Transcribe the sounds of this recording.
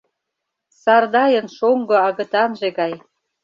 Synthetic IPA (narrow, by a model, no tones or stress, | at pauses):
sɑrd̪ɑjə̆nʃoŋɡŏɑɣə̆t̪ɑnʒeɣɑj